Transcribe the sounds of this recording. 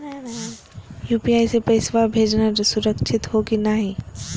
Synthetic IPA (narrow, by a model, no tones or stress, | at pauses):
juːpiaːisepɐɪsʋabʱeːd͡ʒnaɾsʊɾəkʃʰɪt̪ɦokinaɦĩ